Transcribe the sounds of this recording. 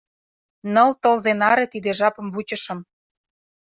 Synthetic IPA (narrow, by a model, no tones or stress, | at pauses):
nɤ̆lt̪ɤ̆lzenɑɾet̪id̪eʒɑpɤ̆mβut͡ɕə̆ʃɤ̆m